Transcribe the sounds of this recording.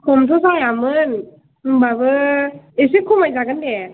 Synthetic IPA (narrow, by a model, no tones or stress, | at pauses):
komt̪ʰusajamɯn | babɯisikʰːumazakandɛ